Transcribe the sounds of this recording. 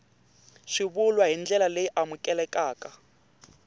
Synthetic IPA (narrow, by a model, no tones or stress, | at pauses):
ʃiβulwaɦind͡ɮɛlaleʔamukʼɛlɛkʼaːkʼa